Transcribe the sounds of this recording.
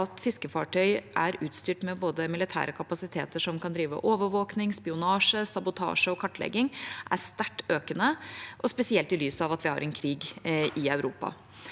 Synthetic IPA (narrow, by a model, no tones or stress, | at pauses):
ɑt̪fɪskəfɑʈʰœʏʔæɾʉːt̪st̪yːʈmɛboːd̪əmɪlɪt̪ʰæ̰ːɾəkʰɑpɑsɪt̪ʰḛːt̪əʂɔmkɑnd̪ɾiːʋə̰ʔoːʋəɾʋoːknɪŋspɪʊnɑːʂəsɑbʊt̪ʰɑ̰ːʂəɔkʰɑʈːlɛ̰ɡːɪŋʔæ̰st̪æʈːøːkənəʔɔspɛsɪɛlt̪ɪlyːsəɑʋɑt̪ʋɪhɑ̰ɾɛnkʰɾiːɡʔɪœʉɾṵːpɑ̰